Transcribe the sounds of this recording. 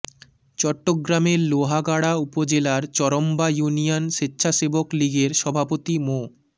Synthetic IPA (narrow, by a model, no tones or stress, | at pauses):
t͡ɕɔʈːoɡɾameɾloɦaɡaɽaupod͡ʑelaɾt͡ɕɔɾombajunijonʃetːɕʰaʃebokliɡeɾʃɔbʱapot̪imo